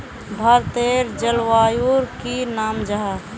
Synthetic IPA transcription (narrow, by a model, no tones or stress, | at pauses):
bʱɐɾt̪eːɾd͡ʒəlwaːjuɾkinaːmd͡ʒəɦa